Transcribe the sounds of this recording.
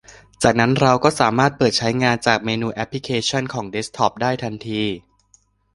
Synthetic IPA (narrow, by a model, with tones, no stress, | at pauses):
t͡ɕaː˨˩k̚na˦˥nɾa˧wkɔː˥˩saː˩˦maː˥˩t̪̚pɤː˨˩t̪̚t͡ɕʰa˦˥jŋaː˧nt͡ɕaː˨˩k̚meː˧nuː˧ʔɛ˦˥pʰli˦˥kʰeː˧t͡ɕʰɔ˥˩nkʰɔː˩˦ŋde˦˥st̪ʰɔː˦˥p̚daː˥˩jt̪ʰa˧nt̪ʰiː˧